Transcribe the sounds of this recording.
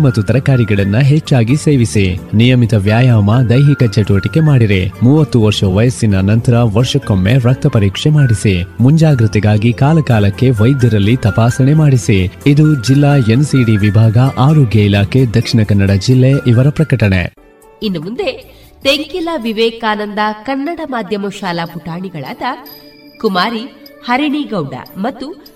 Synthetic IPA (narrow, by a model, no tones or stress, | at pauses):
mɐt̪ːut̪ɐɾɐkaːɾiɡɐɭɐnːuɦet͡ʃːaːɡiseːʋisinijɐmit̪ɐʋjaːjaːmɐd̪ɐjɦikɐt͡ʃeʈuʋɐʈike̞maːɽiɾemuːʋɐt̪ːuʋɐɾʂɐʋɐjɐsinɐnɐnt̪ɐɾɐʋɐɾʂɐkːomːeɾɐk̚t̪ɐpɐɾiːkʂemaːɽisimuɲd͡ʒaːɡɾit̪ɛɡaːɡikaːlɐkaːlɐkːe̞ʋɐjd̪jɐɾɐlːit̪ɐpaːsɐɳe̞maːɽisiid̪ud͡ʒilːaːensiːɽiʋibʱaːɡɐʔaːɾoːɡjɐilaːkʰed̪ɐkʂiɳɐkɐnːɐɽɐd͡ʒilːeʔiʋɐɾɐpɾɐkɐʈɐɳḛ | inːɐmund̪e | t̪eŋkilɐʋiʋɛːkaːnɐnd̪ɐkɐnːɐɽɐmaːd̪ʱjɐmɐʃaːlɐpuʈaːɳiɡɐɭa̰ːd̪ɐ | kumaːɾihɐɾiɳiɡɐwɖɐ̰mɐt̪ːu